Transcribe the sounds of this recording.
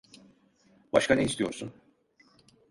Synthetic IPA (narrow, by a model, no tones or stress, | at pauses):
baʃkʰaneist̪ijo̞ɾsun